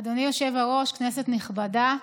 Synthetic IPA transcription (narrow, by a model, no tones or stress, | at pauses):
d̪onijo̞ʃe̞vaʁo̞ʃkneset̪niχbada